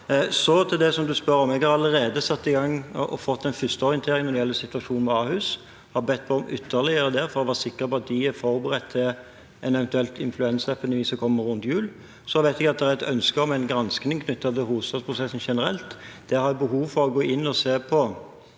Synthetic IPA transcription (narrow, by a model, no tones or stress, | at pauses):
sɔt̪ʰɪd̪ɛsɔmd̪ʉspœɾɔmɛɡhɑɾɑlːəɾeːd̪əsɑt̪ːɪɡɑŋːʔɔfɔt̪ːɛɪnfʏst̪əɔɾɪənʰeːɾɪŋmɛnɪjɛlːəsɪt̪ʉʋɑʂuːnnʋɛɑhʉːs | hɑɾbɛt̪̚ːpʰɔɔmʏt̪ʰːəɾlɪəɾəd̪ɛɾfɔɾdɛʋɑːsɪkːəɾpɔɑt̪̚d̪ɪæfɔɾbəʁɛt̪ʰːɪ | ɛnɛʋɛnt̪ʉɛlt̪ɪnflʉɛnsəɛpʰɛnəʋiːsɔkʰɔmːəɾːʉnt̪jʉːl | sɔʋæɪt̪ɛɡɑt̪̚d̪ɛæɾɛt̪œnskəɔmæɪnɡɾɑnsknɪŋkʰnʏt̪ːɑt̪ɪlɦuːʋst̪ɑd̪spʰɾʊsɛsn̩ʂɛnəɾɛ̰lt̪ | d̪̥ɛhɑɾjbəɦuːʋfɔɾɔɡoːɪnːɔseːpʰɔ